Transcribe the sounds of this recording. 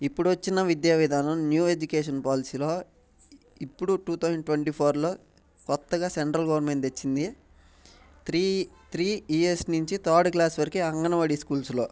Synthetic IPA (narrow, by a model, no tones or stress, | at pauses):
ipːuɽuʋɐt͡ʃːinɐʋid̪jaːʋid̪ʱaːnɐmnjuːed͡ʒukeːʂ̬ɐnpaːlisiːlo̞ː | ipːuɽuʈuːt̪ʰɐwzɐɳɖʈʋɐɳʈiːpʰoːɾlo̞ː | kɔt̪ːɐɡaːseɳʈɾɐlɡɐʋɐɾnme̞ɳʈt̪et͡ʃːind̪i | i | t̪ɾiːiesniɲt͡ʃit̪ʰaːɾɖklaːsʋɐɾikiɐŋɡɐnɐʋɐɽiskuːlslo̞ː